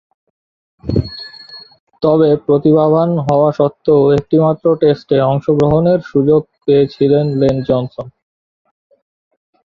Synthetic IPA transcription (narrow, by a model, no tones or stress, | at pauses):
t̪ɔβepɾot̪ibabʱanɦɔoaʃɔt̪ːeoek̚ʈimat̪ːɾoʈesʈeɔŋʃoɡɾoɦoneɾʃud͡ʑoɡ̚peet͡ɕʰilenlend͡ʑɔnson